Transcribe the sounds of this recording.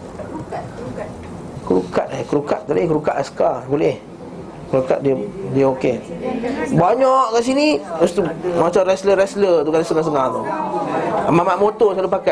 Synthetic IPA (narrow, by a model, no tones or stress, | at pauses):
kəɾuka̰t̪akəɾukat̪̚d̪alikəɾukat̪̚askabolɛh | kəɾuka̰t̪̚diədiəoke | baɲɔʔkaʔs̬iniust̪umat͡ʃamrɛsləɾɛslət̪ukalasəŋas̬əŋat̪o | amamaʔmot̪okalupaka